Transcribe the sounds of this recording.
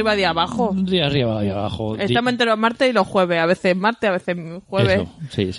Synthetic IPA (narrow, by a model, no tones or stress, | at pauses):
iβaðiaβaxod̪iariβaðiaβa̰χoest̪amoent̪ɾelomaɾt̪esiloxwe̞β̞e̞aβe̞θemaɾt̪eaβe̞θexweβseso̰sis